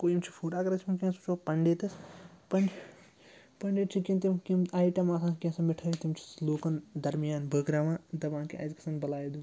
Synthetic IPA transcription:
koːjimt͡ʃʰi̥fʰuːʈaːkɐɾɐt͡ʃʰimikʲĩːsut͡ʃʰopɐɳɖeːt̪ɐspɐɳɖ | pɐɳɖeːt͡ʃʰikimt̪imkimaːjʈɐmaːsãːkʲẽːsɐmɪʈʰɐɾit̪imt͡ʃʰi̥sloːkɐnd̪ɐɾmijaːnbʱəːɡɾaːʋãːd̪ɐʋãːkiʔa̰ːzkɐ̥sɐnbɐlaːjid̪u

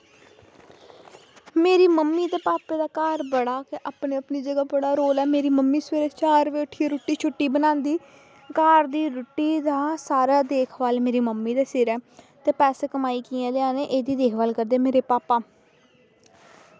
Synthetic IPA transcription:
meːɾiːməmːiːt̪eːpaːpeːd̪aːkaːɾbəɽaːkeʔaːpneːəpniːd͡ʒəɡaːbəɽaːɾoːlɛːmeːɾiːməmːiːsʋeːɾeːt͡ʃaːɾʋeːʊʈʰːiɾʊːʈːiːt͡ʃʰʊʈːiːbənãːnd̪iː | kaːɾd̪iːɾʊʈːiːd̪aːsaːɾaːd̪eːkʰʋaːlmeːɾiːməmːiːd̪aːsɪɾɛː | t̪eːpɛːseːkəmaːiːkiːãːlɪãːneːʔeːd̪iːd̪eːkʰʋaːlkəɾd̪eːmeːɾeːpaːpaː

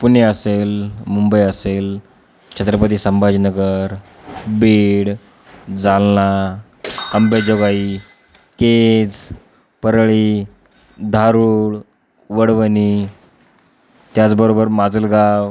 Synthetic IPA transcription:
puneəselmumbəjəsel | t͡ɕʰət̪ɾəpət̪iːsəmbad͡ʑnəɡəɾ | beɽ | d͡zalna | kəmbed͡zoɡai | ked͡z | pəɾɭi | d̪ʱaɾuːɭ | ʋəɽʋəni | t̪jat͡sbəɾobəɾmad͡zəlɡaw

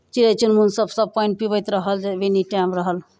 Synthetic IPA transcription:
t͡ʃilet͡ʃʰunmunsəbsəb̚pɔjnʈ̚pibəjt̪ɾəɦəld͡ʒeʋeniʈamɾəɦəl

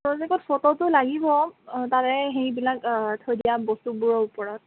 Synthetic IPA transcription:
ɹɔzɛkɔtfʰɔtɔtʊlaɡibɔtaɹɛɦejbilaktʰɔjdijabɔstubuɹɔupɔɹɔt̚

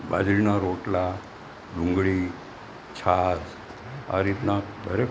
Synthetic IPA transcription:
ba̰d͡ʒɾinaɾoʈla | ɖũŋɡɭi | t͡ʃʰad͡ʒ | a̰ɾit̪naɡʱəɾe

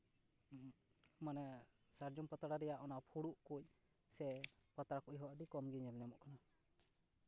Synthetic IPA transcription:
manɛ | saɾd͡ʒɔmpət̪aɽaɾɛjaʔɔnaʔpʰuɽuʔkuc̚ | sɛpət̪aɽakuʔjɦɔʔɖikɔmɡiɲɛlɲamɔʔkana

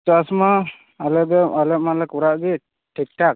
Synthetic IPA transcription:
t͡ʃasmaː | lɛbɛalɛmalakuɾaʔbi | ʈik̚ʈak̚

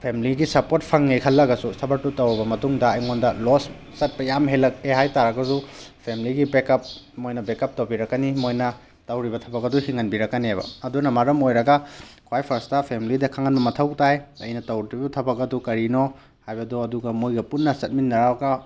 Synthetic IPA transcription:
pʰemliɡisɐpot̚pʰɐŋnekʰɐlːɐɡɐsusɐbɐɾtutɐwɾɐbɐmɐtuŋdɐːjŋondɐlosː | ɐt̚pɐjamɦelːɐk̚eɦajtaɾɐɡɐsupʰemiliɡibekɐp̚mojnɐbekɐp̚towbiɾɐkːɐnimojnɐ | tɐwɾibɐtʰɐbɐk̚ɐduhiŋɐnbiɾɐkːɐnebɐ̰ɐdunɐmɐɾɐmojɾɐɡɐkʰwajpʰɐɾstɐpʰemilidɐkʰaŋɐnbɐmɐtʰɐwtajɐjnɐtɐwtibɐtʰɐbɐkɐdukɐɾino | hajbɐduɐduɡɐmojɡɐpunːɐsɐt̚minːɐɾawɐɡɐ

